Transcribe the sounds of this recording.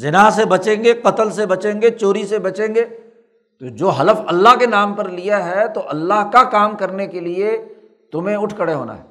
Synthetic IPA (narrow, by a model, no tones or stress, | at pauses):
zɪnaɦs̬ebɐt͡ʃẽːŋɡeqɐt̪əlsebɐt͡ʃẽːŋɡet͡ʃoːɾisebɐt͡ʃẽːŋɡeː | t̪od͡ʒoːɦɐləfɐlːaɦkenaːmpɐɾlijaɦɛt̪oʔɐlːaɦkakaːmkɐɾnekelie | t̪ʊmẽʊʈʰkəɽeɦo̰ːna̰ɦɛ̰ː